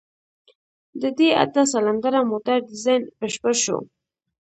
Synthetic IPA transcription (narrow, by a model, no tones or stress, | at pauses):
d̪əd̪ea̰t̪as̬alaŋɡaɾamot̪aɾdɪzajnbəʃpəʃo̰